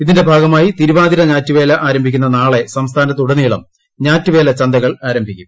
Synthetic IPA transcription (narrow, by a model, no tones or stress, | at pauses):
iðinde̞bʱaːɡɐmaːjit̪iɾuʋaːd̪iɾɐɲaːtːuʋe̞ːlɐʔaːɾɐmbʱikʲːunːɐnaːɭe̞sɐmst̪ʰaːnɐt̪ːuɽɐniːɭɐ̰m | ɲaːtːuʋe̞ːlɐt͡ɕɐnd̪ɐɣɐɭaːɾɐmbʱikʲːum